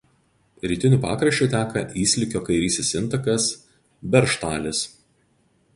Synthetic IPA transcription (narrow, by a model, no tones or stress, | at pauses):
ɾʲiːt̪ʲɪnʲuːˑpɑ̰ːkɾɐʃʲt͡ʃʲʊˑt̪ʲæːkɐʔiːsʲlʲɪkʲoːkɐɪɾʲiːsʲesɪnˑt̪ɐkɐs | bʲɛɾʃt̪ɑːlʲɪs